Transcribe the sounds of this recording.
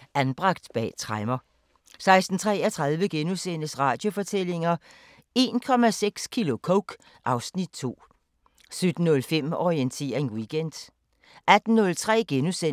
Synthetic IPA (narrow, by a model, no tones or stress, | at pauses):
ʔænb̥ʁɑ̈ɡ̥̚d̥b̥ɛ̰ːt͡sʰʁɑɪmɐ | sɑ̈ɪsd̥n̩t͡sʰʁɛ̰ːɒt͡sʰʁɑ̈ðˠʋəɡ̥enusen̰əsʁɑ̈ːd̥jo̝fɒ̽t͡sʰele̝ŋɐ | e̝ːnkʰɒ̽mæseɡ̥skʰilo̝kʰoʊɡ̥ | ʔɑ̈ʊsnid̥̚t͡sʰo̝̰ː | sød̥n̩ːɔ̽lfem̰ɒient͡sʰe̝̰ːʁeŋwiɡ̥end̥ | ʔæd̥n̩ːɔ̽lt͡sʰʁɛ̰ːɡ̥enusen